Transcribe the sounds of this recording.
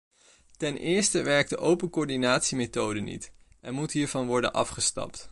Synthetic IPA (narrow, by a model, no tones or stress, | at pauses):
tɛnʔɪːɹstəʋɛɹk̚dəʔowpənkoːɹdinaːtsimetowdənḭtʔɛnmutɦiːɹvɑnʋɔɹdə̰nʔɑfχəstɑ̰pt